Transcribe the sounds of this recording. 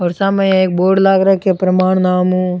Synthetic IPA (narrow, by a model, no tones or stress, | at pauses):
ɔːɾsamɛ̃j̃eːk̚boːɾɖlaːɡɾɐkepɾɐmaːɽ̃naːmɦũː